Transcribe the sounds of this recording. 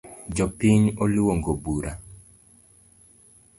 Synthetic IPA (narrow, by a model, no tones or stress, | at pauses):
d͡ʒɔpiɲoluwoŋɡobuɾa